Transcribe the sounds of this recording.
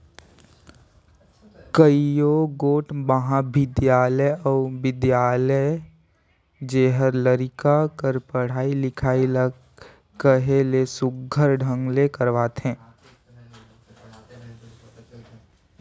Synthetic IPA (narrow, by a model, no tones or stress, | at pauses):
kəijoɡoːʈbəɦãbɪd̪jaːləjɔːbɪd̪jaːləj | d͡ʒeːɦəɾləɾɪkakəɾpəɽ̤aːilɪkʰaːilə | kəɦelesʊɡʱəɾɖʱə̃ŋɡlekəɾʋaːt̪ɦɛ̃ː